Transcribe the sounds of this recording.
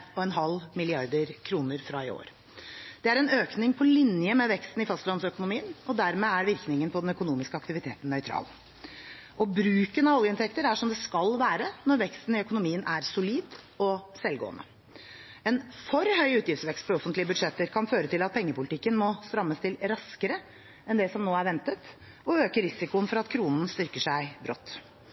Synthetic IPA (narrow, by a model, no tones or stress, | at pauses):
ɔɛnɦɑlmɪlɪɑɾd̪əɾkʰɾuːnəɾfɾɑɪo̰ːɾ | d̪̥ɛæɾɛnøːknɪŋpʰɔlɪnjəmɛʋɛkst̪n̩ɪfɑst̪lɑnsœkʊnʊmiːənɔd̪æɾmeæɾʋɪɾknɪŋənpʰɔd̪ɛnœkʊnuːmɪskəɑkt̪ɪʋɪt̪ʰeːt̪n̩nːœʏt̪ʰɾɑ̰ːl | ʔɔbɾʉːkənɑʋɔljəɪnt̪ʰɛkt̪əɾæʂɔmd̪ɛskɑlʋæːɾənɔɾʋɛkst̪n̩ɪœkʊnʊmiːənʔæɾsʊliːd̪ | ɔsɛlɡo̰ːənə̰ | ɛnfɔɾhœʏʉːt̪jɪfsʋɛkst̪̚pʰɔɔfənt̪lɪəbʉd̪ʂɛt̪ːəɾkʰɑnføːɾət̪ɪlɑt̪̚pʰɛŋːəpʊlɪt̪ʰɪkːənmɔst̪ɾɑmːəst̪ʰɪlɾɑskəɾə | ɛnd̪ɛsɔmnoːæɾʋɛnt̪ət̪ | ɔøːkəɾɪsɪkʊənfɔɾɑt̪kʰɾuːnn̩st̪ʏɾkəʂæɪbɾɔ̰t̪ː